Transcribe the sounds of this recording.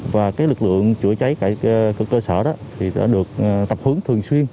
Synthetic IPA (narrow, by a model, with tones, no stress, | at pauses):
vaː˨˩kaː˨˦jlɨ˨˩k̚lɨ̰˧˨əŋt͡ɕu˧˩ət͡ɕa˨˦jkaː˧˩˧kːkəː˧səː˧˩ɗɔ˨˦t̪ʰi˨˩ɗa̰ː˧˥ɗɨ˨˩ək̚t̪ə˨˩p̚hɨ˨˦ŋt̪ʰɨ˨˩əŋswi˧ən